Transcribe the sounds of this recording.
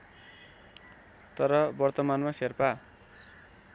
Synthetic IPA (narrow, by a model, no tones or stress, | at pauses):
t̪ʌɾʌbʌrt̪ʌmanmaserpa